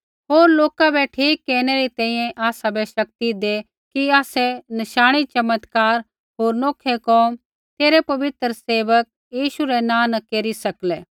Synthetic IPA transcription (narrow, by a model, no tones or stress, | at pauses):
ɦoːɾloːkabɛʈʰiːkːɛːñɛɾit̪ɛ̃ĩːjɛ̃ʔaːsabɛʃɐkt̪id̪e | kiaːsɛnɐʃaːɽ̃it͡ʃɐmət̪kaːɾ | ɦoːɾnoːkʰːɛkɔːm | t̪eːɾɛpɐʋɪt̪ɾseːʋək̚ | jiːʃuɾɛnãːnɐkeːɾisɐklɛː